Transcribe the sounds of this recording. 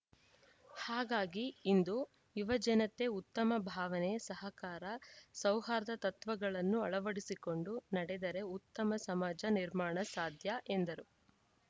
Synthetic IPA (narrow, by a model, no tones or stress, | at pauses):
haːɡaːɡiːnd̪u | juʋɐd͡ʒɐnɐt̪e̞ut̪ːɐmɐbʱaːʋɐneɐsɐɦɐkaːɾɐsɐwɦaːɾɐd̪ɐt̪ɐt̪ʋɐɡɐɭɐnːuɐɭɐʋɐɽisiko̞ɳɖunɐɽed̪ɐɾe̞ut̪ːɐmɐsɐmaːd͡ʒɐniɾmaːɳɐsaːd̪ʱjɐʔend̪ɐɾu